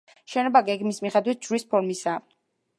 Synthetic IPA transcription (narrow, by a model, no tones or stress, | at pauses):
ʃɛnɔbaɡɛɡmismiχɛd̪wit̪̚d͡ʒɾispʰɔɾmisa